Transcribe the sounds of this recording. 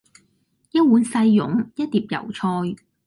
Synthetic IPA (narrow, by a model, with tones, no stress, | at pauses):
jɐ˥t̚wuː˨˥nsɐ˧jːʊ̰˨˥ŋjɐ˥t̚t̪iː˨p̚jɐ̰˨˩wt͡ʃʰɔː˧j